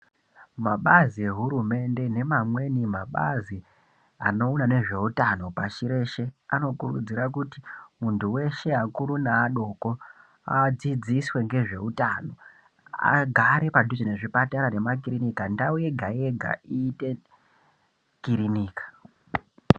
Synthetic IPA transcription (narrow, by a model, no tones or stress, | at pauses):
maɓazie̞ɦuɾume̞nde̞ne̞mamwe̞nimaɓazi | ano̞unane̞ʐe̞utano̞paʃiɾe̞ʃe̞ano̞kurṵd͡ziɾakutimuntʰuwe̞ʃe̞akuɾunaːɗo̞ko̞ | a̰d͡zid͡ziswe̞ŋɡe̞ʐe̞̰utano̞ | a̰ɡʱaɾe̞padʱud͡ʒineʐipataɾane̞makiɾinikandauje̞ɡʱaeɡʱa̰iːte̞ | kiɾiniːkḁ